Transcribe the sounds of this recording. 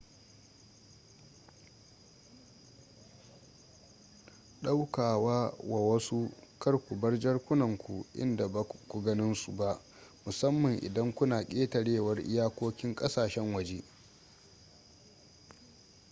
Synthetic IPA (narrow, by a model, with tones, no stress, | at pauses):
ɗa˦wkaː˨waː˦wa˨wɐ˦su˦kɐ˦rkʷu˨bɐ˦rd͡ʒɐ˦rkʷʊ˦nɐ˨ŋkʷu˨ʔɪ̰˦nda˨ba˨kʷu˨ɡɐ˦nɪ˦nsu˨ba˦ʔ | mʊ˨sɐ˦mːɐ˨ŋʔɪ̰˨dɐ˦ŋkʷʊ˦naː˨kʲʼeː˦tɐ˨ɽeː˦˨wɐ˦rʔɪ̰˦jaː˦kʷoː˦kʲɪ˦ŋkʼɐ˦saː˨ʃɛ˦ŋwɐ˨d͡ʒeː˦